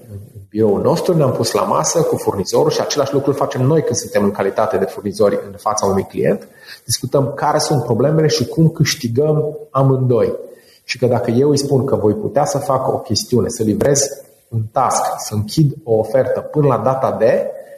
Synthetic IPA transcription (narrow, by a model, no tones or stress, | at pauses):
ɨɨnbiɾo̞ulno̞st̪ɾuneampusla̰ma̰səkufurniz̥o̞ɾulʃiat͡ʃe̞laʃlukɾulfat͡ʃe̞mno̞jkɨnd̪sunt̪e̞mɨŋkalit̪at̪e̞d̪e̞furnizo̞rʲɨnfat̪saunujklḭjḛnt̪d̪̥iskut̪əmkaɾe̞sunt̪̚pɾo̞ble̞me̞le̞ʃikumkɨʃt̪iɡəmamɨnd̪o̞j | ʃi̥kəd̪akəje̞wɨjspunkəvo̞jpṵt̪easəfako̞̰kʲe̞st̪iune̞səlivɾe̞z | unt̪asksəɨŋkʲid̪o̞ːfe̞rt̪əpɨnəlad̪at̪ad̪e̞